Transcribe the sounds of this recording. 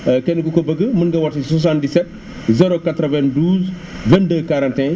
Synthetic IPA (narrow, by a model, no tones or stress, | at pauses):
əkenkukobɐɡəmənɡɐwɐɾtsas̬ãndisɛt̚ | zeɾokatɾəvɛ̃nduːz | vɛ̃ndəkaɾãntɛ̃